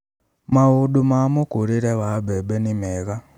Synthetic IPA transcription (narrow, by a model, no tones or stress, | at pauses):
mauɗumamukuɾiɾewabeɓenimeːɣa